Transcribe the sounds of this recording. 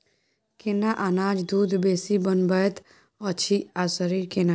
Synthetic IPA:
kenaʔanaːd͡ʒd̪uːd̪ʱbeːsibənbət̪ | ɔt͡ʃʰiasəɾiɾkena

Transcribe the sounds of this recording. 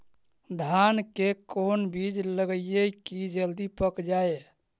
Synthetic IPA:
d̪ʱankekonbid͡ʒləɡəjjekid͡ʒəld̪ipəkd͡ʒae

